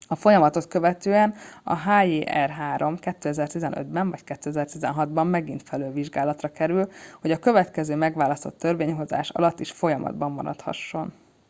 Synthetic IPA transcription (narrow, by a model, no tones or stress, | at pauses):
ɒfo̞jɒmɒt̪o̞t̪kø̞vɛt̪øːɛnɒ̰ɦaːjeːʔɛrɦaːɾo̞mkɛt̪ːøːɛzɛrt̪izɛnʔø̰d̪bɛɱvɒckɛt̪ːøːɛzɛrt̪izɛ̰nɦɒd̪bɒmːɛɡint̪fɛløːlviʒɡaːlɒt̪rɒkɛɾylho̞ɟɒkø̞vɛt̪kɛzøːmɛɡʋaːlɒst̪o̞̰t̪ːø̞rveːɲɦo̞za̰ːʃɒ̰lɒt̪ːiʃfo̞jɒmʔɒ̰d̪bɒmːɒ̰ɾɒ̰t̪hɒ̰ʃːo̞n